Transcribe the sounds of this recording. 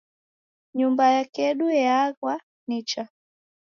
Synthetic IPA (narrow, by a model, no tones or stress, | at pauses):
ɲumbajakɛɗuɛaɣwa | nit͡ʃa